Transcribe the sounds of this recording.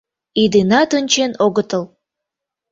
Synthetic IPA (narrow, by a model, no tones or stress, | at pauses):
id̪enɑt̪ənʲt͡ɕenoɣət̪əl